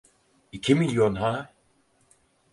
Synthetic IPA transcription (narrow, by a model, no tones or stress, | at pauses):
icʰimiljonɦa